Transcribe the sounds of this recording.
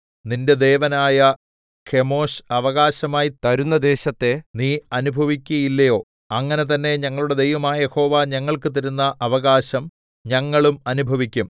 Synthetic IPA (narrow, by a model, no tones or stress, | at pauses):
ninde̞d̪e̞ːʋɐnaːjɐ | kʰe̞mo̞ːɕɐʋɐɣaːɕɐmaːjit̪ɐɾunːɐd̪e̞ːɕɐt̪ːe̞niːɐnubʱɐʋikʲːuɐjilːɐjo̞ː | ɐŋːɐne̞t̪̬ɐnːe̞ɲɐŋːɐɭuɽe̞d̪e̞jʋɐmaːjɐjeho̞ːʋaːɲɐŋːɐɭkɨt̪ɐɾunːɐʔɐʋɐɣaːɕɐm | ɲɐŋːɐɭumɐnubʱɐʋikʲːum